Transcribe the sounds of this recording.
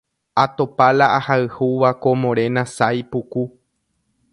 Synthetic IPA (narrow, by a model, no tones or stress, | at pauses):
at̪opalaʔahaɨhuʋakomõɾẽ̞nãsajpuku